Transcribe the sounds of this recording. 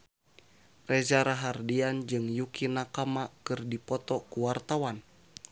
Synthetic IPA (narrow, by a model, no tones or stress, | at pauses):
rɛzaɾaɦardiand͡ʒɨŋjukinakamakɨrdipɔt̪ɔkuwart̪awan